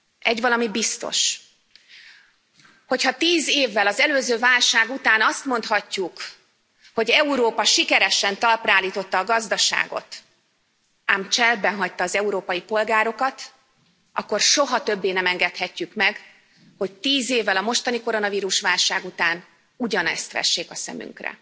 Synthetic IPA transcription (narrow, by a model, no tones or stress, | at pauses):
ʔɛɟvɒlɒmibist̪o̞̰ʃ | ho̞chɒt̪iːzeːvːɛlɒzɛløːzøːvaːlʃaːɡut̪aːnɒst̪mo̞nt̪hɒcːuk | ho̞ɟɛuɾoːpɒʃikɛɾɛʃɛnt̪ɒlpraːlːiːt̪o̞t̪ːɒːɡɒzd̪ɒʃa̰ːɡo̞̰t̪ | aːmt͡ʃɛlbɛnɦɒct̪ɒːzɛuɾoːpɒjipo̞lɡaːɾo̞kɒt̪ | ʔɒ̰kːo̞rʃo̞ɦɒt̪ø̞bːeːnɛmɛŋɡɛt̪hɛcːykmɛɡ | ho̞c̚t̪iːzeːvːɛlɒmo̞ʃt̪ɒniko̞ɾo̞nɒviːɾuʃʋaːlʃaːɡut̪aːn | uɟɒnɛ̰st̪ʋɛ̰ʃːeːkɒsɛ̰my̰ŋkrɛ̰